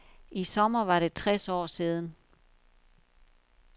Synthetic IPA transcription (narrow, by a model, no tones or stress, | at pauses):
ʔisɒ̽mɐʋɑ̈ɾe̝t͡sʰʁɛsɒ̰ːsiːð̞ˠn̩